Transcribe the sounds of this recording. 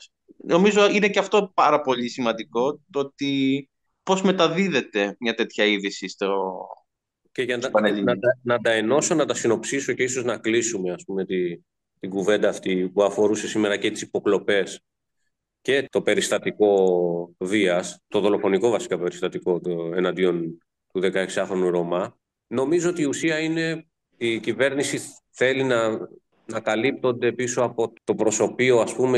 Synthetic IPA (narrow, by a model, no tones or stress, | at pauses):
no̞mizoine̞ceɐft̪o̞pɐɾɐpo̞ʎisimɐnd̪iko̞t̪oot̪i | po̞zme̞t̪ɐðiðe̞t̪e̞mɲɐt̪e̞t̪çɐiðisist̪o | ceʝɐnpɐneʎinɐt̪ɐnɐt̪ɐeno̞so̞nɐt̪ɐsino̞psiso̞ce̞iso̞znɐklisumeɐspume̞t̪i | t̪iɡuve̞nd̪ɐːft̪ipuɐfo̞ɾuse̞sime̞ɾɐcet̪i̥sipo̞klo̞pe̞s | ce̞t̪o̞pe̞ɾist̪ɐt̪iko̞ | viɐst̪o̞ðo̞lo̞fo̞niko̞vɐsi̥kɐpe̞ɾist̪ɐt̪iko̞e̞nɐnd̪io̞n | t̪uðe̞kɐeksiɐxɾo̞nuɾo̞mɐ | no̞mizo̞ot̪iːusiɐine̞ | icive̞ɾnisi | θe̞linɐ | nɐkɐlip̚t̪o̞nd̪e̞piso̞ɐpo̞t̪o̞pɾo̞so̞pio̞ɐspume̞